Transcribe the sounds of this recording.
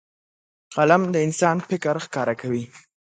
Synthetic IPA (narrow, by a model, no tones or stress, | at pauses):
qalamd̪əɪnsɑnfɪkɾxkɑɾakʰawi